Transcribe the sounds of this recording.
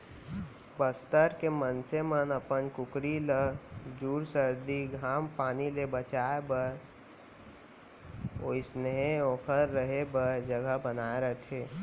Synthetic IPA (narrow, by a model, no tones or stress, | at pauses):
bəst̪əɾkemənsemənəpənkʊkɾiləd͡ʒuːɽsəɾd̪iɡʱaːmpaːnilebət͡ʃaːebəɾ | o̰ɪsnəɦeɔːkʰəɾːəɦebəɾd͡ʒəɡəbənaːeɾət̪ʰeː